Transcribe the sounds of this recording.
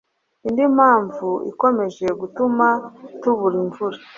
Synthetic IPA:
indimaːɱvuḭko̞me̞ʒe̞ɡutumatuβuɾiɱvuɾi

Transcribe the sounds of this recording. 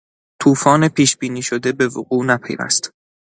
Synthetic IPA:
t̪ʰuːfɒːnepʰiːʃbiːniːʃod̪e̞be̞voɢuːnæpʰe̞̰jvæ̰st̪

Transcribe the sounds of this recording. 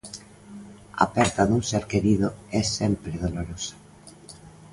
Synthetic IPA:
a̰pɛst̪aðuŋseɾkeɾiðoɛsɛmpɾeðoloɾosḁ

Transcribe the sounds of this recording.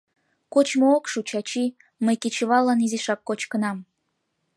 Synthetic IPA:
kot͡ɕmookʃut͡ɕɑt͡ɕi | məjket͡ɕəβɑlːɑniziʃɑkːot͡ɕkənɑm

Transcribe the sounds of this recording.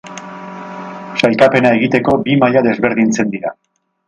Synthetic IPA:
sajkape̞nae̞ɣ̞it̪e̞ko̞bimaʎaðe̞zβe̞ɾðint͡se̞nd̪iɾa

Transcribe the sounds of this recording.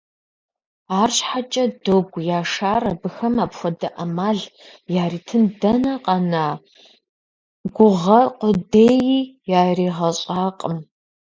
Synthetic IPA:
aːrɕħat͡ʃʼɐdoɡʷjaːʂaːrɐbɨxɐmaːpxʷɔdɐʔɐmaːɮ | jaːriːtʰɨndɐnɐqʼɐnaː | ɡʷʊʁɐqʷʊdeːjiːjaːriːʁɐɕʼaːqʼəm

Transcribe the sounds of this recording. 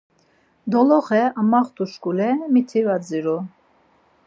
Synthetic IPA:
d̪ɔlɔχɛamaχt̪uʃkulɛmit̪ʰivad͡ziɾu

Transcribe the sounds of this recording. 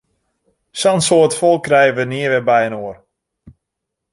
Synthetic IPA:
sɔnsoːətfɔlˠkːrɛjəʋəniəʋɛbɛjənoər

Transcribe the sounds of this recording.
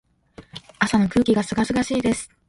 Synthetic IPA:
asano̞kɯ̟ːkʲiɡasɨɡasɨɡaɕiːd̪e̞sɨ̥

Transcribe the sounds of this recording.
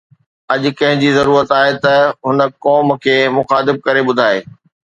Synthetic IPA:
ɐʄʊ̆kɐ̃ɦɪ̃ɲd͡ʑiːzɐɾuːɾət̪aːɦet̪ɐɦʊnə̆kɔːmkʰeːmʊxaːt̪ɪb̚kɐɾeɓʊd̪ʱaːeː

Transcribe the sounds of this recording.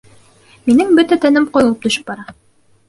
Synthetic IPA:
minɘŋbɵt̪æt̪æ̆nɘmqŏjŏlˠɤp̚t̪ɵ̆ʃɵ̥p̚bɑɾɑ

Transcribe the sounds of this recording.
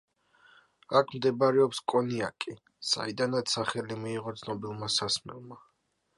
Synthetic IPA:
akʰmd̪ɛbaɾɛɔpskʼɔnia̰kʼi | sa̰id̪anat̪saχɛlimiːʁɔt̪sʰnɔbilˠmasasmɛ̰lˠma

